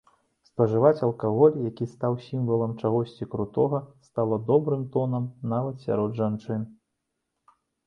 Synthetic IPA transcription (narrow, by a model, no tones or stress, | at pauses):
spɐʐɨvat͡sʲɐlˠkaɣɔlʲjakʲist̪awsʲimvɐlˠɐmt͡ʂaɣɔsʲt͡sʲikɾut̪ɔɣɐst̪alˠɐd̪ɔbɾɨmt̪ɔnɐmnavɐt̪sʲa̰ɾɔd̪ʐant͡ʂɨn